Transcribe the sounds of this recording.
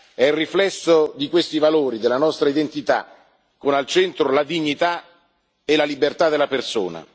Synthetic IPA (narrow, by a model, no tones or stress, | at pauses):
ɛirːiflɛsːod̪ikwest̪ivaloːɾid̪elːanɔst̪ɾaid̪ent̪it̪a̰ | kːonalt͡ʃɛnt̪ɾolad̪iɲːit̪a | elalibert̪ad̪elaperso̰ːna̰